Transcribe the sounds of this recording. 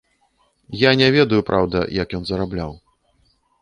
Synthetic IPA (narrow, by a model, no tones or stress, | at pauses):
janʲɛvʲɛd̪ɐjupɾʔawd̪ɐ̰jɐkjɔnzɐɾablʲaw